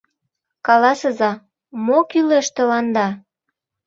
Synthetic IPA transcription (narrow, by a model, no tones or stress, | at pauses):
kɑlɑsɤ̆zɑ | mokyleʃt̪ə̆lɑnd̪ɑ